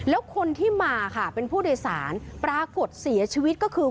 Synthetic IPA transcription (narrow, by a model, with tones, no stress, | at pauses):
lɛː˦˥wkʰo˧nt̪ʰiː˥˩maː˧kʰa˥˩pe˧npʰuː˥˩doː˧jsaː˩˦npɾaː˧ko˨˩t̪̚si˩˦ɐt͡ɕʰiː˧wi˦˥t̪̚kɔː˥˩kʰɯː˧